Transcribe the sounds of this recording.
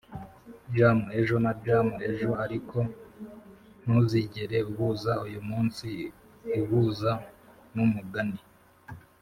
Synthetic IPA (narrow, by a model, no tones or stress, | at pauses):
ɾjaːmue̞ʒo̞naɾɟaːmue̞ʒoaɾikʰo̞ | nuziɟeɾe̞uβuːzaujumuːnsiː | βuːza | numuɡani